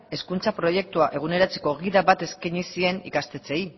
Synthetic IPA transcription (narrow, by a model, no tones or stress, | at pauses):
e̞skunt͡sapɾo̞je̞k̚t̪uaʔe̞ɣ̞une̞ɾat͡se̥ko̞ɣiðaβat̪e̞skaɲisie̞nḭkast̪e̞t͡se̞i